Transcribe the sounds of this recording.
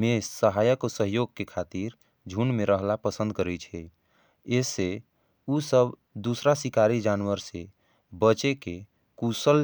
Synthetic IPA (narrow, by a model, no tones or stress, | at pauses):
mesəɦajəkosəɦjoɡ̚kekʰat̪iɾ | d͡ʒʱunmeɾəɦlapəsə̃nd̪̚kəɾɛt͡ʃʰɛ | ese | usəb | d̪usɾasikaɾid͡ʒanwəɾse | bət͡ʃeke | kusəl